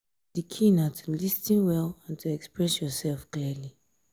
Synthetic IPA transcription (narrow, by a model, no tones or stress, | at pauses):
d̥ikʰĩnatʰulistĩnwɛlãntʰuɛkspɹɛsjɔsɛlˠfkliəli